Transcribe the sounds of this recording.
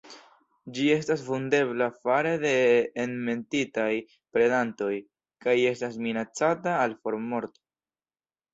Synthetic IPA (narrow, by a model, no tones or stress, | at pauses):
d͡ʒie̞stasvunde̞βlafaɾede̞ːnme̞ntitaj | pɾe̞danto̞j | kaje̞stas̬minat͡sataːlfo̞ɾmo̞ɾto̥